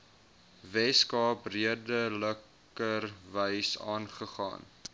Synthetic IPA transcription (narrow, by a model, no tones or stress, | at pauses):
vɛskɑːpriədələk | ərvəjsɑ̰ːnχəχɑ̰ːn